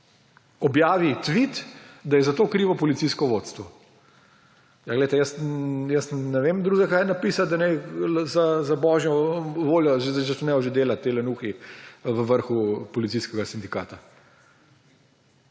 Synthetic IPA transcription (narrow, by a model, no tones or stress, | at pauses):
ɔbjaːʋit̪ʋit̪d̪ajɛzat̪okɾiʋɔpɔlit̪siskɔʋot̪st̪ʋɔ | jaɡleɪt̪ɛjəsjəsnɛʋeːmd̪ɾuːzɛkaːjnapisad̪ɐnɛjzazabɔʒjɔʋoːljɔʒzt͡ʃɛsnɛjɔʒed̪eːlat̪ːelɛnuːxiʋəʋəɾxupɔlit̪siskɛɡasind̪ika̰ːt̪a